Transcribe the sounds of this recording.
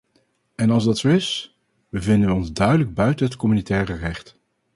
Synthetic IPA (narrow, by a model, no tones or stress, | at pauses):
ɛnɑlˠzdɑtsowɪs | bəvɪndənʋəɔnzdœɥdələɡ̚bœɥtənɦətkɔmynitɛːrərɛχt